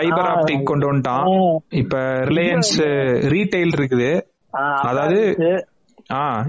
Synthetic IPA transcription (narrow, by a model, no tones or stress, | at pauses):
ɐɪbɐɾaːpʈɪkkːɔɳɖoːnʈãːɪpːɐːɾɪlɐjɐnsɾiːʈeɪlɪɾɯkːɯðɯ | ɐðaːʋɐðɯ | aː